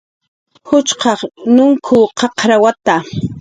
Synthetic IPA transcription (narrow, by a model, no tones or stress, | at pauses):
hʊt͡ʃqɑχnʊŋkʰʊqɑqɾawat̪a